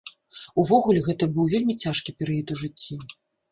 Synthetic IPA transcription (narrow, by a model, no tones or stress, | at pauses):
uvɔɣulʲɛɣɛt̪ɐbɨwvʲelʲmʲit͡sʲaʂkʲipʲɛɾɨjɐt̪uʐɨt͡sʲːi